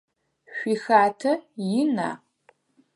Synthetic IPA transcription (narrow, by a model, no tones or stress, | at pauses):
ɕʷixaːtʰɐjɪna̰ː